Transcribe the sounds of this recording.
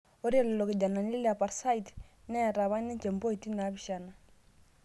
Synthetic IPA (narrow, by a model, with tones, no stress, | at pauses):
o˦ɾi˦ɛ˦lɛ˨lɔ˨ke˨d͡ʒa˨na˨n˦li˦lɛ˦a˨pa˨ɾsa˦i˨tnɛ˦˨ɾa˨βa˦ni˦nt͡ʃɛ˨mbo˦i˨ti˦na˨˦βi˨ʃa˨na˨